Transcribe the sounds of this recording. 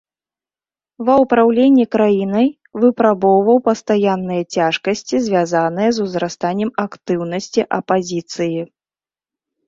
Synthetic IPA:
vɐwpɾawlʲenʲːikɾajinɐj | vɨpɾabɔwvɐwpɐst̪ajanːɨjɐt͡sʲaʂkɐsʲt͡sʲizʲvʲazanɨjɐzuzɾast̪anʲːɛmakt̪ɨwnɐsʲt͡sʲiʔɐpazʲit̪sɨji

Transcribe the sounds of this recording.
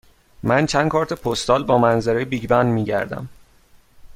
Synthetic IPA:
mænt͡ʃʰæn̥̚kʰɒːɾt̪ʰepʰost̪ɒːlbɒːmænzæɾejbiɟbænd̪miːɟæ̰ɾd̪æ̰m

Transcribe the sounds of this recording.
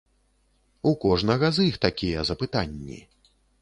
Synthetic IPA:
ukɔʐnɐɣɐzixt̪akʲijɛzɐpɨt̪anʲːḭ

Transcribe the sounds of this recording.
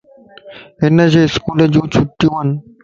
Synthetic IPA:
enad͡ʑeskuled͡ʑut͡ɕʰuʈːiwan

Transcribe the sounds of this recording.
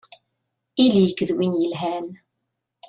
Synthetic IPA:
iliːkəðwɪniːlɦɛn

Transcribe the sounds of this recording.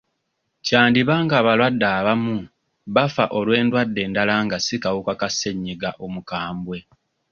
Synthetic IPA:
caːndiβaːŋɡaːβalwadːaːβamu | βafa̰ʔo̞lwe̞ːndwadːe̞ːndalaːŋɡasikawukakase̞ɲːiɡaʔo̞mukaːmbwe̞

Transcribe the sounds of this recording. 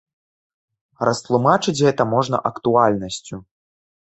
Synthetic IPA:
rɐst̪lˠumat͡ʂɨt͡sʲɣɛt̪ɐmɔʐnɐ̰ʔɐkt̪ualʲnɐsʲt͡sʲu

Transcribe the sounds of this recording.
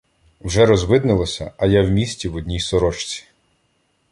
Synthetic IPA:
wʒɛɾɔzʋɪd̪nɪlˠɔsʲɐ̰ɐjawmʲisʲtʲiwɔdʲnʲijsɔɾɔt͡ʃt͡sʲi̥

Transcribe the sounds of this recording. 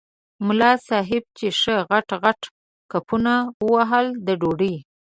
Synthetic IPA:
mʊlɑsɑɦɪb̚t͡ʃeʃəɣaʈɣaʈ | kapunawəwaɦəld̪əɖoɖəj

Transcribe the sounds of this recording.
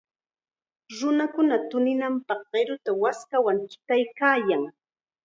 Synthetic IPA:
ɾʊnakʊnat̪ʊnɪnampɑχɢ̥eɾʊt̪awaskawaŋkɪ̥t̪ajkaːjaŋ

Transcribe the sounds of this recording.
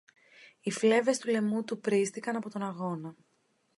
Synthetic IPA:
ifle̞ve̞st̪ule̞mut̪upɾist̪ikɐnɐpo̞t̪o̞nɐɣo̞nɐ

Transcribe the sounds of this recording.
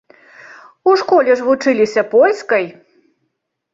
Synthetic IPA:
uʂkɔlʲɛʐvut͡ʂɨlʲisʲɐpɔlʲskɐj

